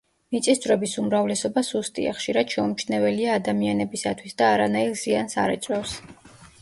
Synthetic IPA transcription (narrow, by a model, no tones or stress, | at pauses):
mit̪sʼisd͡ʒ̪ʼɾɔbisumɾavlɛsɔbasust̪ʼḭa̰χʃiɾad̪̥ʃɛumt͡ʃʰnɛvɛliaːd̪amianɛbisat̪ʰwisd̪aːɾanailˠziansa̰ɾɛt͡ʃʼɾɔfs